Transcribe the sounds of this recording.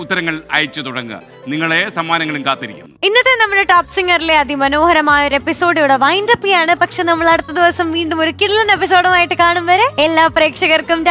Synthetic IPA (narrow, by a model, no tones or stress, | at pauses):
ut̪ːɐɾɐŋːɐɭɐ̰jɐt͡ɕːɨt̪uɽɐŋɡɨ̰ | niŋːɐɭesɐmːaːnɐŋːɐɭumkaːt̪ːiɾikʲːumːinːɐt̪ːenɐmːɐɽeʈaːpsiŋːɐrileɐd̪imɐno̞ːhɐɾɐmaːjɐo̞ɾe̞pːiso̞ːɽjuɽeʋɐjnrɐpːijaːɳɨpɐkʂe̞nɐmːɐɭɐɽut̪ːɐd̪iʋɐsɐmʋiːɳɖumo̞ɾukːiɽilɐnepis̬oːɽɐmaːjiʈːɨkaːɳumʋɐɾeelːaːpreːkʂɐɣɐrkumɾ